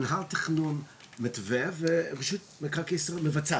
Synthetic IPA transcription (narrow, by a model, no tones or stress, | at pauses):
nɦalt̪i̥χnun | mɪt̪vɛvepaʃut̚mekakisʁemevat͡sa